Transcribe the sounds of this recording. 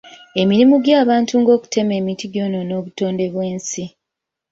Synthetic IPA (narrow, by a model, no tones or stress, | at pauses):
e̞miɾimuɡjaːβaːntuŋɡo̞ːku̥te̞me̞ːmitiɡjo̞ːno̞no̞ːβuto̞ːnde̞βwe̞ːnsi